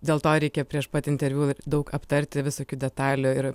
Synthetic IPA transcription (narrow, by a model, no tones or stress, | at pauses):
d̪ʲeːlˠt̪oːɾʲɛɪkʲɛpʲɾʲiɛʃpɐt̪ʲɪnʲt̪ʲɛɾʲʋʲuːd̪ɐʊkɐpt̪ɐɾʲt̪ʲɪʋʲɪsoːkʲuːd̪ʲɛt̪ɑːlʲʊɪɾ